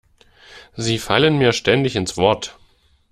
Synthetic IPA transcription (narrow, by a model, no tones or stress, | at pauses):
ziːfalənmiːɐʃtɛndɪçɪnsv̥ɔɐt